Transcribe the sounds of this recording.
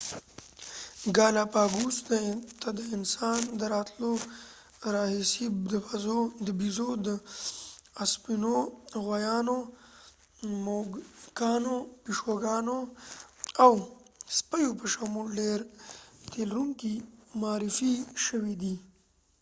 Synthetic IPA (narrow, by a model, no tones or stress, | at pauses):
ɡɑlapɑɡusd̪ət̪ad̪əɪnsɑnd̪əɾɑt̪lo | ɾɑɦisid̪əbazod̪əbizod̪ə | aspinoɣwajɑno | mokɑnopiʃoɡɑno | awspəjopəʃamulɖeɾt̪elɾuŋkimɑːɾɪfiʃəwid̪i